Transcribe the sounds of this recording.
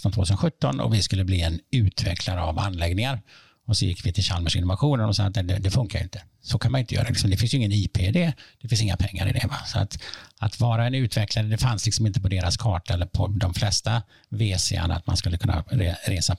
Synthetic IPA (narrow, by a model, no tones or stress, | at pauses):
t̪ɔnt̪voːt̪ʉsənɧɵt̪ːɔnɔ̰vɪskɵlːəbliːɛnʉ̟ːt̪ʰvɛkʰlaɾəava̰nːlɛɡnɪŋaɾ | ɔsɔjɪ̰kːvɪt̪ʰɪlɕalməʂɪnːɔvaɧuːnnɔmsɑːɡat̪ɛd̪ɛd̪ɛfɵŋkaɾɪ̰nt̪ə̥ | sɔkʰanmanɪnt̪əjœːɾalɪksɔmd̪ɛfɪnsjɵɪŋːəniːpʰed̪eːd̪ɛfɪns̬ɪŋːa̰pʰɛŋːa̰ɾɪ̰d̪ɛ̰vasɔa̰t̪at̪vɑːɾaɛnʉ̟ːt̪vɛkʰlaɾəd̪ɛfanslɪksɔmɪnt̪əpʰɔd̪eːɾaskʰɑːʈaɛlːəɾpʰɔd̪ɔmflɛst̪a | veːsɛ̰a̰na̰t̪ma̰nskɵlːəkʰɵnːa̰ɾeɾeːsa